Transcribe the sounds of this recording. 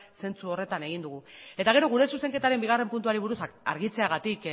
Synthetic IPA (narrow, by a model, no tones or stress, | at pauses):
se̞nt͡suo̞re̞t̪ane̞ɣ̞ind̪uɣue̞t̪aɣ̞e̞ɾo̞ɣ̞uɾe̞suse̞ŋke̞t̪aɾe̞mbiɣ̞are̞mpunt̪uaɾiβ̞uɾusa̰ɾɣit͡se̞aɣat̪ik